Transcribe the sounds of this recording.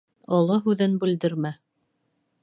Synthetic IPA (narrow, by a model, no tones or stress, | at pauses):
ɑlˠɑɦʉðɘnbʉld̪ɘ̆ɾmæ